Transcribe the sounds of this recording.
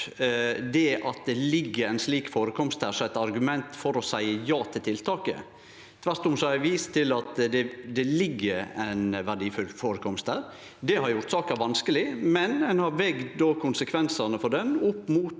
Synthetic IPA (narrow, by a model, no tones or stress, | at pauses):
d̪ɛʔɑt̪̚d̪ɛlɪɡːəɾæɪnsliːkfoːɾəkʰɔmst̪hæːsɔæɪt̪ɑɾɡʉmɛnt̪fɔɾɔsæɪəjɑːt̪ʰɪlt̪ʰɪlt̪ʰɑːkə̰ | t̪ʰʋæɾt̪ʊmsɔæʋiːst̪ʰɪlɑt̪d̪ɛd̪ɛlɪɡːəɾæɪnʋæɖiːfʉlfoːɾəkʰɔmst̪æːɾ | d̪ɛhɑɾjʊɾt̪sɑːkəəɾʋɑnskəlɪmɛnɛnhɑɾʋɛɡd̪d̪oːkʰʊnsəkʰʋɛnsənəfɔɖɛnʊpːmuːt̪